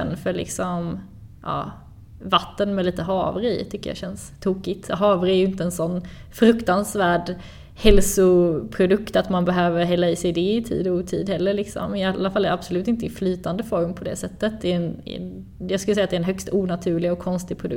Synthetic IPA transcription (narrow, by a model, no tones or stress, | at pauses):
ɛ̰nfœɭɪ̰ksɔm | ʔɑ̰ː | vat̪ːənmɛliːt̪əɦɑːvɾɪɪ̰t̪ʰʏkːə̰ja̰ɕɛnst̪ʰuːkɪt̪ɦɑːvɾɪæɾjɵɪnt̪əɛnsɔnː | fɾɵkt̪ansvæːɖ | hɛlsʊpʰɾʊd̪ɵkt̪at̪manbɛɦøːvəɾɦɛlːaiːsɛjd̪ɛɪt̪ʰḭːd̪ɔut̪ʰiːd̪hɛlːəɭɪksɔ̰mɪalːafalːɛɾab̥sʊlʉ̟ːt̪ɪnt̪əɪflyːt̪and̪əfɔɾmpʰɔd̪ɛ̰sɛt̪ːət̪̚d̪ɛɛn̰ | jɑɡskɵləsɛjːat̪d̪ɛɾɛnɦœkst̪uːnat̪ʰʉ̟ːɭɪɔkʰːɔnst̪ɪɡ̚pʰɾʊd̪ɵ̰k